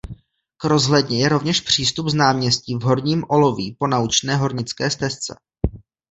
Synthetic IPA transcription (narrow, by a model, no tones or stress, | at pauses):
kɾo̞zɦlɛdɲɛjɛɾo̞vɲɛʃpr̝̥iːst̪upznaːmɲɛsciːvɦo̞ɾɲiːmʔo̞lo̞viːpo̞naut͡ʃnɛːɦo̞ɾɲɪt͡skɛːst̪ɛst͡sɛ̰